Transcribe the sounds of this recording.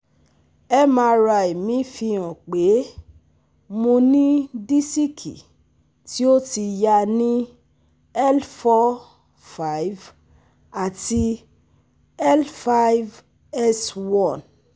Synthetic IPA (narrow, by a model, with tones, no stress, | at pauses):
ɛ˦mã˧ɾa˧˨i˨mĩ˨˦fi˧ɔ̃˨k͡pe˨˦ | mõ˧nĩ˦di˦si˦kʰḭ˨ | ti˦o˦ti˧ja˧nĩ˦ | ɛ˦lfɔ˧˦ | fa˦i˨˦v | a˨ti˧ | ɛ˦lfa˧˦jv | ɛ˦swɔ̃˦˨n